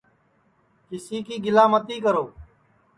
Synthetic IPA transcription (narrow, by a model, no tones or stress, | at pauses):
kɪsiːkiːɡɪlaːmət̪iːkəɾoː